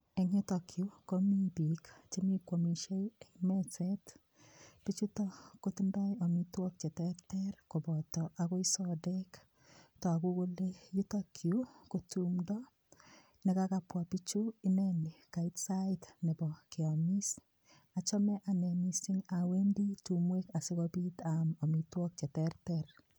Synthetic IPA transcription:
e˨ɲi˦tɔ˨kʰju˦komi˦bi˨kt͡ʃe˦mi˦kwo˨mi˨ʃe˦e˨imɛt͡sɛt | pi˦t͡ʃu˦tɔkotu˦nda˦jɔ˨mitwɔ˦k̚t͡ʃɛ˨tɛtɛrko˨bɔ˨tɔʔa˨ko˦isɔdɛk | tɔ˨a˨ku˦ko˦leju˦tɔkʰjuko˨tumdɔ | nɛkakapwa˨pi˦t͡ʃu˦inɛni˨ka˨itsatnɛ˨bɔ˨kɪɔmi˦s | a˨t͡ʃɔ˦mɛ˦ʔa˨nɛ˨misiŋa˨we˦ndi˦tumwe˦ka˨sɪkɔbi˦tamɔ˨mitwɔ˦k̚t͡ʃɛ˨tɛrtɛr

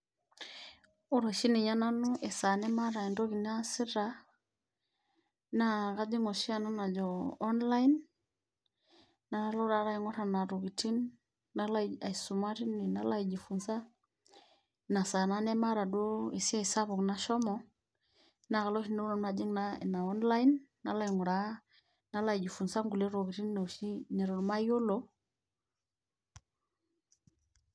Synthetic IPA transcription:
u˦ɾɔ˨ʃi˦ni˨ɲa˦na˦nu˦ʔɛ˨sa˨nɛ˦ma˦ɾa˨ɛ˨ndɔ˦ki˨ni˦a˦si˦ɾa˨ | na˦ɣa˦d͡ʒi˦ŋɔ˨ʃi˦a˨na˦na˨d͡ʒɔ˨ɔ˦nla˦i˦n | na˨ɾa˦lɔ˦ɾa˨˦ɾa˦i˦ŋɔ˦ɾa˨na˨ɾu˨ki˨ti˦n | na˦la˦˨a˨i˨su˨ma˦ɾi˦ni˨na˦la˦i˨d͡ʒi˨fu˨nza˦ | na˨sa˨na˦nɛ˦ma˦ɾa˨do˦i˨si˦a˦i˨sa˦βo˨kna˦ʃɔ˦mɔ˨ | na˨˦ɣa˨lɔ˦ʃi˦no˦o˦na˨d͡ʒi˦ŋna̰˦˨na˨ɔ˦nla˦i˦nː | a˦la˦i˨ŋu˨ɾa˨˦ | na˦la˦i˨d͡ʒi˨fu˨nsa˦ŋɡu˨le˦ɾo˨ɡi˨ti˦nna˨ʃi˦nɛ˨ɾo˨ɾma˦jo˦lo˨˦

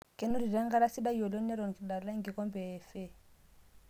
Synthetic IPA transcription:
kɛ˨nu˦ɾi˨ɾa˦ŋɡa˦ɾa˦si˦da˦jɔ˨lɔ˦n˦a˦ɾɔ˨n˨ki˨da˨ɾla˦ŋɡi˨kɔ˦mbɛː˨fɛ˦˨

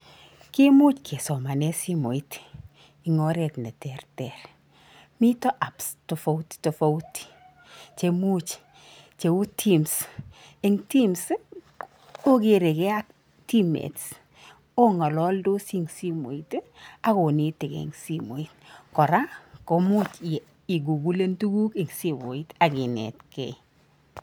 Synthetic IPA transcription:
kɪ˦mu˦t͡ʃkʰe˨sɔ˨ma˨nɛ˦si˦mo˨i˦t | i˨ŋo˦ɾɛ˨tnɛ˨tɛ˨rtɛ˨r | mi˦tɔ˦ʔa˨psto˨fo˦wtto˨fo˦wti̥ | t͡ʃe˨mu˦t͡ʃ | t͡ʃe˨u˦tʰi˦ms | e˨ŋti˦ms | o˦kɪ˨ɾe˨kɛ˦a˦k̚ | ti˦mḛ˨ts | o˦ŋɔ˨lɔ˦ldo˦si˦ŋsi˦mo̰˨ita˦ko˨ni˨tɪ˨kḛ˨ŋsi˦mo˨i˦tkɔ˨ɾa˦ko˨mu˦t͡ʃ | i˨ɡu˨ɡu˦le˦ntu˦ɡu˦ke˨ŋsi˦mo˨i˦ta˨kɪ˨nɛ̰˨tkḛ˨˦

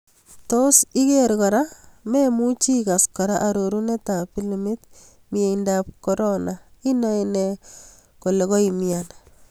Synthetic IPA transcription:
to˦si˦ke˦ɾkɔ˨ɾa˦me˦mu˦t͡ʃi˦ka˨skɔ˨ɾa˦ʔaɾoɾu˦ne˦ta˨pi˦limɪ˦t | mɪe˨indap̚koɾonai˦nɔ˦ene | ko˨le˨kɔ˦imjan

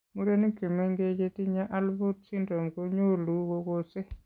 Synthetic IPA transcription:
mu˦ɾe˦ni˦ki˨me˦ŋɡe˦d͡ʒe˦ti˦ɲa˦ʔa˦lbo˦t̚si˦ndo˨mko˦ɲo˦lu˨˦ko˦ko˦se˦

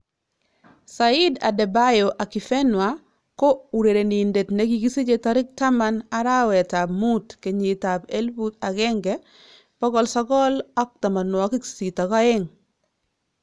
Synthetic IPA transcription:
sa˨ɪ˦da̰˨dɛ˨ba˦jo˨ʔa˨kɪ˨fɛ˦nwa˨ | ko˦u˨ɾe˨ɾe˨ni˨nde˨tne˦ɡi˨ɡi˦si˦d͡ʒe˨tɔ˦ɾɪ˦k̚ta˦ma˦na˨ɾa˦wɛ˨ta˨bmu˦tke˨ɲi˨ta˨pe˦lbu˦ta˨ɡɛ˦ŋɡɛ˦ | pɔ˦ɡɔ˨lsɔ˦ɡɔ˦lɔ˦k̚ta˨ma˨nwɔ˨ki˦ksi˨tɔ˨ɡɔ˦ɪ˦ŋ

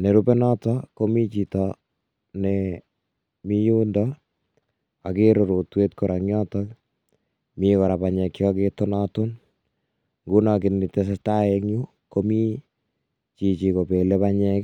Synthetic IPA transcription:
ne˨ɾupe˦nɔ˦tɔko˦mi˦t͡ʃi˨tɔ | ne | mi˦jundɔ | a˨ki˦ɾoɾo˨twe˦tko˨ɾʔa˨ŋjɔ˦tɔ˦k | mikɔ˨ɾa˨paɲɛ˨kiɔketɔ˦nɔ˦tʊ˦n | ŋɡunɔk̬ɪ˨nni˨tes̬e˦sta˦eŋɲu˦ | ko˦mi˦ | t͡ʃi˨t͡ʃi˨ko˨pe˨le˦paɲɛk

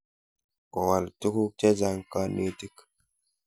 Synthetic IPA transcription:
kɔ˨wa˨ltu˦ku˦t͡ʃe˦d͡ʒa˨ŋka˦ne˦ti˦k

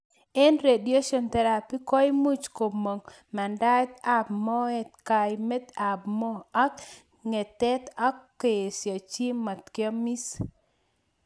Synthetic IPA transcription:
ɛ˦nɾe˨die˦ʃɔ˨nt̪ɛ˨ɾa˨pi˦kɔ˦jmu˦t͡ʃko˨mo˨ŋ | ma˨nda˦t̪a˦˨bmɔ˦ɛ˨t̪̚ka˨jme˦t̪a˨bmɔ˦a˦k | ŋɛ˨t̪ɛ˦t̪a˦kː | e˨sja˨t͡ʃi˦ma˨t̪kjɔ˦mi˦s

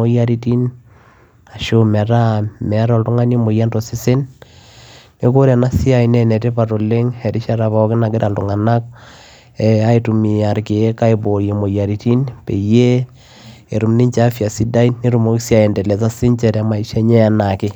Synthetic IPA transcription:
o˦ja˦ɾi˦ti˦n | a˨ʃo˦mɛ˨ɾa˦mɛ˨˦ɾɔ˨ltu˦ŋa˦ni˦mo˨ja˦ndo˨si˦sɪ˦nː | e˦ko˦ɾa˨na˦si˦a˨i˨nɛ˨nɛ˨te˦pa˨to˨le˦ŋɛ˨ɾi˦ʃa˦ɾa˨βa˨ɔ˦kɪ˦na˨kɪ˦ɾʔa˨ltu˨ŋa˨na˦k̚ | ɛa˦i˦tu˨mi˨a˨ɾke˨˦ka˦e˨bo˨je˨mo˨ja˨ɾi˦ti˦npe˨je˦ | e˨ɾu˨mni˦ɲt͡ʃa˦fja˨si˦da˦ine˦ɾu˨mo˦ki˦sja˦˨ɛ˨ndɛ˨lɛ˨sa˦si˦ɲt͡ʃɛ˨tɛ˦ma˨i˨ʃɛ˦ɲɛ˦a˨na˨kɪ˦

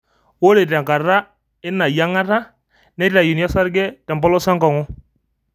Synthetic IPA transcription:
wo˦ɾe˨tɛ˨ŋka˨ra˦ | ɪ˦na˨ja˦ŋa˦ta˦ | nɛ˦ta˨ju˨n˦a˦sa˦ɾɡɛ˦tɛ˨mbɔ˦lɔ˦sa˦ŋɡa˨ŋɔ˦

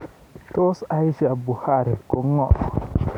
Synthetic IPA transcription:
to˦sa˦jsi˨a˨bu˨ha˦˨ɾi˨ko˦ŋːo̰˦

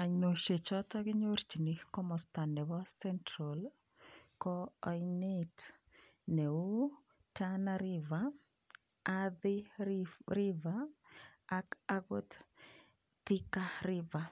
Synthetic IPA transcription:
a˨ɲno˨ʃe˨t͡ʃɔ˦tɔ˦ɡɪ˦ɲo˦ɾt͡ʃi˨nikɔ˦mɔ˨sta˨ndɛ˨βɔ˦sɛ˦ntɾol | kɔɔ˨jnet | nɛ˨u˦ | tanaɾiva | aðɪ˦ | ɾivaː | kaɡo˦t̪ | ti˦ka˦ɾɪva˨

